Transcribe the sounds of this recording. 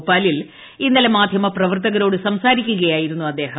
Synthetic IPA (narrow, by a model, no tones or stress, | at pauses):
pːaːlil | inːɐlemaːd̪ʱjɐmɐprɐʋɐrt̪ɐɣɐɾo̞ːɽɨsɐmsaːɾikʲːuɣɐjaːjiɾunːuɐd̪ːe̞ːɦɐ